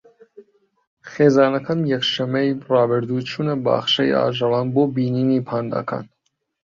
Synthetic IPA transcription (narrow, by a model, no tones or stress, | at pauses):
χɛzɑːnɑkʰɑnjɛkʃɛmɛibrɑːbɛɾd̪ut͡ʃʰunəbɑ̰ːχʃɛḭɑ̰ːʒɑvɑnbɔbininipʰɑnd̪ɑ̰kʰɑ̰n